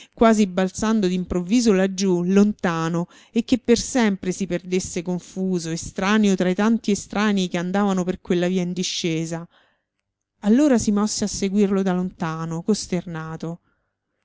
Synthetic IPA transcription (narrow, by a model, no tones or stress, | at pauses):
kwaːzibːalt̪sand̪od̪impɾovːiːzolad͡ʒːulont̪aːno | ekːepːersɛmpɾesiperd̪esːekoɱfuːzoest̪ɾaːneot̪ɾajt̪ant̪iest̪ɾaːnikeand̪aːvanoperkwelːaviːaind̪iʃːeːza | alːoːɾasimɔsːeasːeɡwirlod̪alont̪aːnokost̪ernaːt̪o